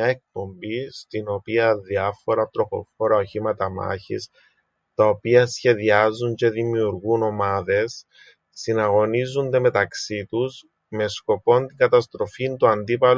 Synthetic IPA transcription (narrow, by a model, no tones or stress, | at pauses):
ɐek̚po̞mbist̪ino̞piɐðiɐfo̞ɾɐt̪ɾo̞xo̞̰foɾɐoçimɐt̪ɐmɐ̰çḭs | t̪ɐopiɐsçe̞ðiɐzːuɲce̞ðimiuɾɣuno̞mɐðe̞sː | inɐɣo̞nizund̪e̞me̞t̪ɐksit̪us | me̞sko̞po̞nt̪iŋɡɐt̪ɐst̪ɾo̞fint̪uɐnd̪ipɐl